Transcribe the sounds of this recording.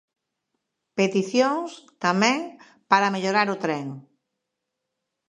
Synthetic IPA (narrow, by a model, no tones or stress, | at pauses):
pet̪iθjoŋst̪amɛ̃ŋ | paɾameʎoɾaɾʊt̪ɾɛŋ